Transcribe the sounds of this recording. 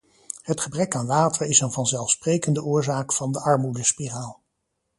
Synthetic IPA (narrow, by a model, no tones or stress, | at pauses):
ɦətχəbrɛkaːnʋaːtəɹɪsənvɑnzɛlˠfsprejkəndəʊːɹzaːkfɑndəʔɑɹmudəspiraːlˠ